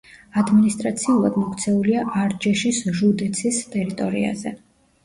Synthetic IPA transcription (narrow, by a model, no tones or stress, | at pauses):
ad̪minist̪ʼɾat̪sʰiulˠad̪mɔkʰt̪sʰɛuliaʔaɾd͡ʒɛʃisʒud̪ɛt̪sʰist̪ʼɛɾit̪ʼɔɾḭa̰zɛ̰